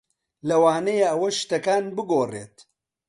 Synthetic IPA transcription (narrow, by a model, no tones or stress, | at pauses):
lɐwaːnɐjeɐwɐʃt̪ɐkaːnbɨɡoːrḛːt̪